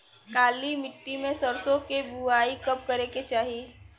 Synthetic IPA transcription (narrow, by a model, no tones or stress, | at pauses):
kaːlimɪʈːimẽsəɾsõkebuaːikɐp̚kəɾeket͡ʃaːɦie